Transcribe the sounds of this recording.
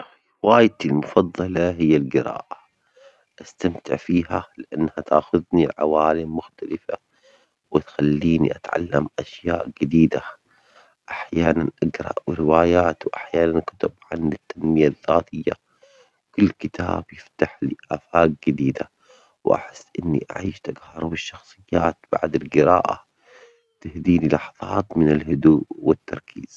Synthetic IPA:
waːjt̪ɪlmʊfɑðˤːɑlɑɦɪjːalɡɪɾa̰ːʔa | ʔast̪amt̪ɪ̰ʕfiːhalɪʔanːhat̪ʰa̰ːxʊðniʕa̰waːlɪmːʊxt̪alɪfa̰ | wɪt̪xalːiːnḭʔat̪ʕa̰lːamʔaʃjaːʔɡɪd̪iːd̪a | ʔaħjaːnanʔaɡɾˤɑ̰ʔwɪɾɪwaːjaːt̪wʔaħjaːnankʊt̪ʊbʕanɪt̪ːanmɪjaðːaːt̪ɪjːa̰ | kʊlːkɪt̪ʰa̰ːb̥jɪft̪aħlɪʔafaːk̚ɡɪd̪iːd̪a | wʔa̰ħɪsːʔɪnːḭʔa̰ʕiːʃt̪aɡhɑɾˤbɪʃːɑxsˤɨjːaːt̪b̥aʕd̪ɪlɡɪɾa̰ːʔa̰ | t̪ɪhd̪iːnilɑħɑðˤɑːt̪mɪnalhʊd̪uːʔwɪt̪ːɑ̰ɾˤkʰḭːz̥

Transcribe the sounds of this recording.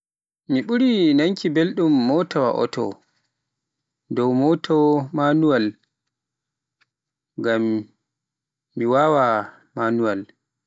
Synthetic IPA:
miɓuɾinaŋkʰibelɗumːɔtɔwa̰ʔɔ̰tʰɔ̰ | dɔwmɔtʰɔmanuwal | ɡam | iwawa | manuwal

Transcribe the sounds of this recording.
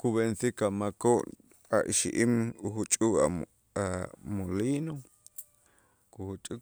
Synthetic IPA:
kuβensikamakoʔ | aʔiʃiʔimuhut͡ʃʼuka̰ | amolino | kuhut͡ʃʼu

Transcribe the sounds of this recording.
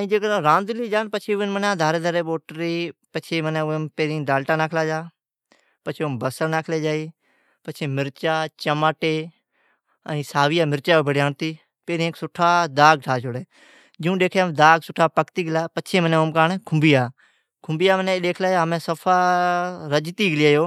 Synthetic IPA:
əĩːd͡ʒeːkːɾãːnd̪ɪliːd͡ʒaːnpət͡ʃʰeːʊɪnmənãːd̪ʱaːɾeːd̪əɾeːɓoːʈɾiːpət͡ʃʰeːmənẽːpeːɾĩːd̪aːlʈaːnaːkʰlaːd͡ʒaː | pət͡ʃʰeːmbəsəɾnaːkʰleːd͡ʒaːiː | pət͡ʃʰeːmɪɾt͡ʃaːt͡ʃəmaːʈeː | əĩːsaːʋijaːmɪɾt͡ʃaːbʱəɽjaːɳt̪iː | peːɾĩẽksʊʈʰaːd̪aːɡ̚ʈʰaːt͡ʃʰoɽeː | d͡ʒũːɗeːkʰjaːmd̪aːɡsʊʈʰːaːpəkt̪iːɡəlaːpət͡ʃʰeːməneːomkaːnekʰʊmbiːaː | kʰʊmbiːjaːməneːɗeːkʰlaːaːmẽːsəpʰaːɾəd͡ʒt̪iːɡɪlɪaːjoː

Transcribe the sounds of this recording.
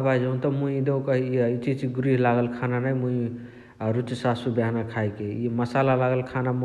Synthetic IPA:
bad͡ʒũnt̪ɔmũĩd̪eũkəɦiiit͡ʃit͡ʃiɡɾiɦlaɡəlkʰananajmũi | ɾut͡ʃssubjaɦnakʰajkeiməsalalaɡəlkʰanam

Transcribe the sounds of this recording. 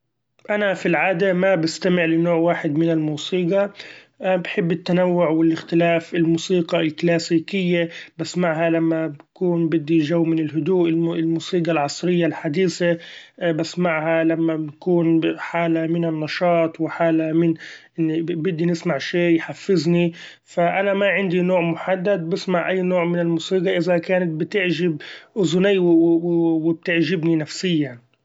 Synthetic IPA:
ʔanafilʕaːd̪amabɪst̪amɪʕlɪnoːʕwaːħɪd̪mɪnɪlmuːsiːɡɑ | bħɪbːɪt̪ːanawːʊʕwɪlʔɪxt̪ɪlaːfɪlmuːsiːɡɑlklaːsiːkɪjːabasːmaʕɦalamːabakuːnbɪd̪ːiʒawːmɪnɪlɦʊd̪uːʔɪɪlmuːsiːɡɑlʕɑsˤɾɪjːalħad̪iːsabasːmaʕhalamːabakuːnħaːlamɪnɪnːɑʃɑːt̪ˤwɪħaːlamɪnʔɪnːibɪd̪ːinɪsmaʕʃeːjħafːɪzni | faʔanamaʕɪnd̪inoːʕmʊħad̪ːad̪̚bɪsmaʕʔajːnoːʕmɪnɪlmuːsiːɡɑʔɪzakaːnat̪̚bɪt̪ɪʕʒɪb̚ʔʊzʊnɪjːw | wɪb̚t̪ɪʕʒɪbninafsɪjːan

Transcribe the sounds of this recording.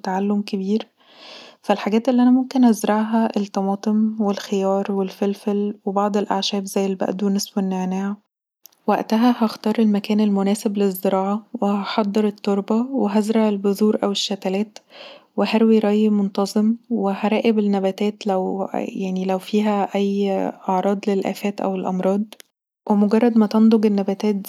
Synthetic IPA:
t̪aʕalːomkebiːɾ | fælħaɡæːt̪ʔelːiʔænæmomkenʔæzɾˤɑʕɦæʔelt̪ːɑmɑːt̪ˤemwelxejɑːɾˤwelfelfælwebɑʕd̪ˤelʔaʕʃæːbzæjːelbæ̰ʔd̪unesbenːeʕnæːʕæ | wæʔt̪æɦæhæxt̪ɑːɾˤelmækæːnelmonæːseblezːeɾˤɑːʕɑweɑħɑd̪ˤːeɾˤet̪ˤːoɾˤbɑweɦæzɾˤɑʕelbozˤuːɾʔæweʃːæt̪ælæːt̪wehæɾwiɾˤɑjmont̪ɑzˤemwehæɾˤɑːʔebenːæbæːt̪æːt̪læwjaʕnilæwfiːɦæʔæjːʔɑʕɾˤɑːd̪ˤlelʔæ̰ːfæːt̪ʔæ̰welʔɑmɾˤɑːd̪̚ˤ | wʔemoɡɑrˤːɑd̪mæt̪ɑnd̪ˤoɡenːæbæt̪æːt̪̚

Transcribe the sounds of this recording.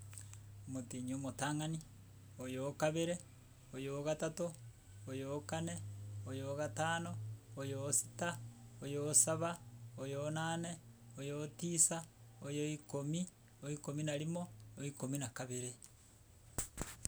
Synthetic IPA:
omotiɲomotaːŋani | ojokaβeɾe | ojoɣatato | ojokaneojoɣataːnoːjosi̥taojosaβaojonaːne | ojotiːsaojoikomi | oikominaɾimooikominakaβeɾe

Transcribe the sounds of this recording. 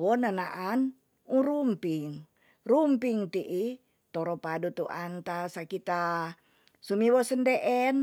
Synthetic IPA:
wɔnanaʔan | uɾumpiŋ | rumpiŋt̪iʔi | t̪ɔɾɔpadut̪uʔant̪asakit̪a | sumiwɔsəndɛʔɛn

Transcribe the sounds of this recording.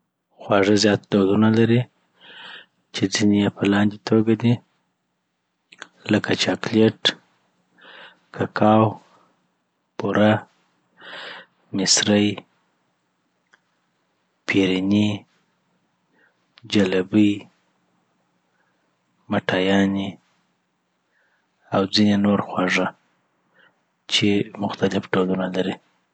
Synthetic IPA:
xwɑʐəzjɑt̪̚d̪od̪unalaɾi | t͡ʃed͡zinejepəlɑnd̪it̪ʰoɡad̪i | ləkat͡ʃɑkleʈ | kʰakʰɑw | puɾʔa | mɪsɾəj | pʰeɾini | d͡ʒalabəj | maʈɑjɑni | awd͡zinenoɾxwɑʐa | t͡ʃemʊxt̪alɪfɖolunalaɾi

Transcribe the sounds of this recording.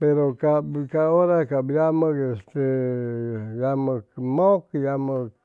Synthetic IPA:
peɾokabkaoɾakabjaməkest̪e | jaməkmokijamək

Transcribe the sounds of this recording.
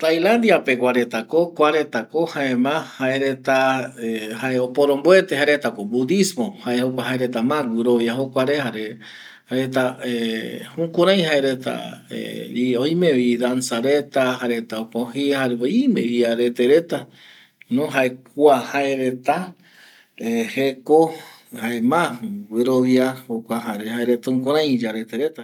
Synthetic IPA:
t̪ajland̪iapekʷaɾet̪akokʷaɾe̞t̪akohaemãhaeɾet̪aehaeopoɾõmboet̪ehaɾet̪akobud̪ismõhaehokʷaɦaeɾet̪amãɡuɾoβjaɦokʷaɾehaɾe | haɾet̪aehũkuɾaj̃ɦaeɾet̪a̰ḛioj̃mẽβid̪ansaɾet̪aɦaɾet̪aokoɦihaɾeoimẽβiaɾet̪eɾet̪a | nõɦaekʷahaeɾet̪a | eheko | haemãwɨɾoβiahokʷaɦaɾehaeɾet̪aũŋkõɾ̃ãj̃d͡ʒaɾet̪eɾet̪a

